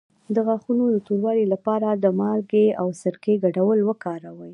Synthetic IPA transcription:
d̪əɣaxunod̪ət̪oɾwɑɾelapɑɾad̪əmɑlɡeawsəɾkeɡaɖawəlwəkɑɾawəj

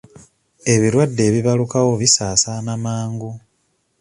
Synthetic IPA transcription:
e̞βiɾwadːe̞ːβiβalukawo̞βisaːsanamaːŋɡu

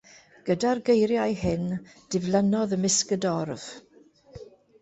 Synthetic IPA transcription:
ɡ̥ədarɡejɾjajhɪnd̥ɪvlənɔðəmɪskədɔrv̥

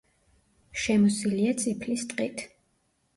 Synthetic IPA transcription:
ʃɛmɔsiliat̪sʼipʰlist̪ʼqʼit̪ʰ

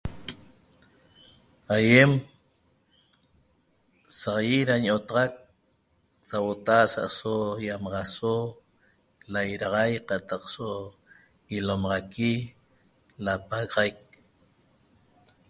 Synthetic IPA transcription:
ajem | saʁjiɾaɲot̪ɑʁɑk̚ | sawot̪aasa̰ʔsojamɑʁɑso | lajɾɑʁɑjqɑt̪ɑqso | ilomɑʁɑki | lapaɣʁajk̚

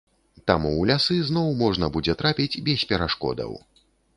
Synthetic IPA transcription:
t̪amulʲasɨznɔwmɔʐnɐbud͡zʲɛt̪ɾapʲid͡zʲbʲɛsʲpʲɛɾaʂkɔ̰d̪ɐ̰w

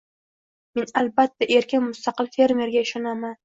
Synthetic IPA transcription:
me̞nalbat̪ʰːaʔe̞ɾkʲʰɪnmʊst̪ɑqɨlfe̞ɾme̞ɾɡʲaɪʃɒnaman

